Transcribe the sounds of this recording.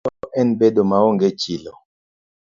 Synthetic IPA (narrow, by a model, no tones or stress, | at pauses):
ʔɛnbedomaɔŋɡet͡ʃilɔ